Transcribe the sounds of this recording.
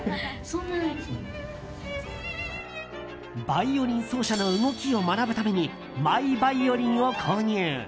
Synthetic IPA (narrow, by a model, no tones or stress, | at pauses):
sõnːa | baio̞ɾʲĩɰ̃so̞ːɕano̞ɯ̟ɡo̞kʲio̞manabɯ̟t̪ame̞ɲ̟i | maibaio̞ɾʲĩɰ̃o̞kʰoːɲ̟ɯː